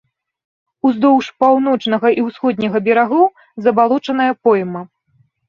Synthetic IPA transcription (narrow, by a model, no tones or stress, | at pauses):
uzd̪ɔwʂpawnɔt͡ʂnɐɣɐʔiwsxɔd̪̚ʲnʲɐɣɐbʲɛɾaɣɔw | zɐbalˠɔt͡ʂɐnɐjɐpɔjmɐ